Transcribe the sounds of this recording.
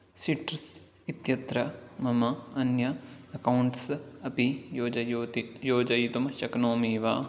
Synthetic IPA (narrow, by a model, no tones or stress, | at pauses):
siʈɾs | it̪jɐt̪ɾɐmɐmɐɐnjɐɐkɐwuɳʈsɐpioːd͡ʒɐjoːd͡ʒɐjt̪umɐʃɐknoːmiːʋaː